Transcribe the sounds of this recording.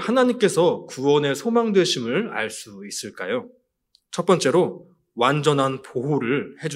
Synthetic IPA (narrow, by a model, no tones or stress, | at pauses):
hanaɲimk͈e̞sʰʌkuwʌne̞sʰomaŋdwe̞ɕʰimɯɭa̰ɭs͈uis͈ɯɭk͈a̰jo | t͡ɕʰʌt̚p͈ʌnt͡ɕ͈e̞ɾo | wand͡ʑʌnɦanpoɦoɾɯɭhe̞d͡ʑ